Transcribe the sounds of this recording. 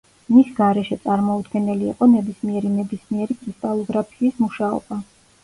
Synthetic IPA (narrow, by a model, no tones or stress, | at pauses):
misɡaɾɛʃɛt̪sʼaɾmɔud̪ɡɛnɛlḭːqʼɔnɛbismiɛɾinɛbismiɛɾikʼɾist̪ʼalˠɔɡɾapʰiːsmuʃaɔ̰b̥a